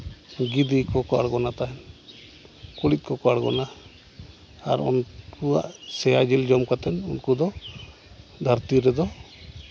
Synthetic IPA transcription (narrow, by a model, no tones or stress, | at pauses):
ɡid̪ikɔkɔa̰ɽɡɔnat̪aɦɛn | kuɽit̪̚ˀkɔkɔaɽɡɔ̰na | ɾɔ̰nkua̰ʔsɛjad͡ʒild͡ʒɔmkat̪ɛnṵnkud̪ɔ | d̪ʱaɾt̪iɾɛd̪ɔ